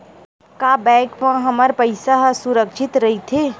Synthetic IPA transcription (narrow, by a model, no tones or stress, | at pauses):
kaːbɛ̃ːkʋãɦɐməɾpəɪsaɦsʊɾəkʃɪt̪ɾɐɦit̪ʰeː